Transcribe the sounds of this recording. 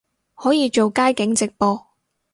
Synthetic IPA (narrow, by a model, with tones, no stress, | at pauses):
hɔː˨˥jiː˨˧t͡ʃo˨wkaː˥jkɪ˨˥ŋt͡sɪ˨k̚pɔː˧